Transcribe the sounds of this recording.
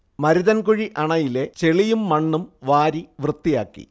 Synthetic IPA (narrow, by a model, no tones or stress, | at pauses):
mɐɾiðɐnkuɻiʔɐɳɐjile̞t͡ɕe̞ɭijumːɐɳːumʋaːɾiʋrɨt̪ːijaːkːḭ